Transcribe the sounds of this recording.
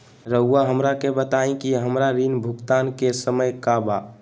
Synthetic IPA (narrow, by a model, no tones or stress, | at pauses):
ɾəʊaɦəmɾakebət̪aĩkiɦəmɾaɾinbʱukt̪ankesəməjkaba